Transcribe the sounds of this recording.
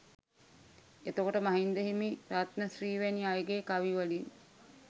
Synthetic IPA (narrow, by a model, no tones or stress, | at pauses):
et̪okoʈəmaɦind̪eɦimiɾat̪nəsriːʋæniajɡeːkaʋiʋalin